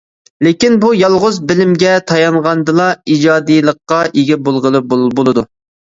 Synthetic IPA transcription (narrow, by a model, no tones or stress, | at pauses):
lekʲinbujɑlˠʁʊzbɪlɪmɡʲɛt̪ʰɑjɑɴʁɑnd̪ɨlˠɑid͡ʒɑːd̪ɨjlˠəqːɑʔeɡʲɛbolˠʁəlˠɨbbolˠɨd̪u